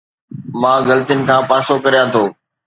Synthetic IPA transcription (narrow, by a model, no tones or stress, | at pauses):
mãːɡɐlt̪ijʊnɪ̆kʰãːpaːsokɐɾijãt̪ʰoː